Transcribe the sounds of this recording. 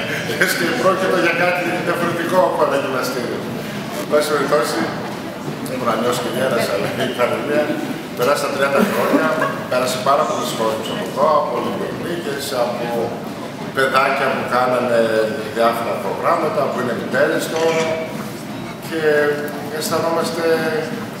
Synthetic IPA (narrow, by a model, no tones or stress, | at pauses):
est̪epɾocit̪o̞ʝɐkɐt̪iðiɐfoɾe̞t̪ikopoɐneɲinɐst̪iɾio | mesioɾiθosi | ebonɐɲo̞si̥cemeɾɐsɐlɐp̪ɐnimiɐ | pe̞ɾɐsist̪ɐt̪ɾiɐnd̪ɐxɾo̞ɲɐpe̞ɾɐsɐpɐɾɐpo̞lesxo̞ɾesu̥sɐpoðoɐpolideɣnicesɐpo | pe̞ðɐcɐpukɐnɐne̞ðiɐfo̞ɾɐpɾo̞ɣɾɐmɐt̪ɐpuine̞mit̪e̞ɾest̪o | cʰe̞ | enst̪ɐno̞mɐst̪e̞